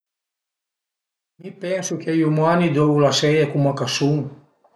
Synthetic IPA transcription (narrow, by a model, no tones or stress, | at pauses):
mipɛnsukejumanid̪oulasɛjekumakasuŋ